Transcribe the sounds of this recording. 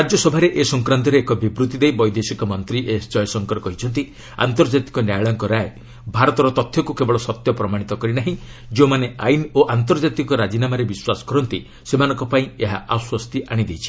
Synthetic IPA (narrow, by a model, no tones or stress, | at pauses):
ɾad͡ʒjɔsɔbʱaɾeʔesɔŋkɾant̪ɔɾeːkɔbibɾut̪id̪ejbɔjd̪esikɔmɔnt̪ɾiʔest͡ʃɔjɔsɔŋkɔɾɔkɔɦit͡ʃʰɔnt̪̬i | a̰nt̪ɔɾd͡ʒat̪i̥kɔnjajɭɔŋkɔɾae | bʱaɾɔt̪ɔɾɔt̪ɔt̪ʰjɔkukebɔɭɔsɔt̪jɔpɾɔmaɽ̃it̪ɔkɔɾinaɦĩ | d͡ʒeũmaneajnoʔant̪ɔɾd͡ʒat̪ikɔɾad͡ʒinamaɾebiswasɔ̥kɔɾɔnt̪i | semanɔ̃ŋkɔpaĩeɦaʔaswɔst̪iʔaɽ̃id̪ejt͡ʃʰi̥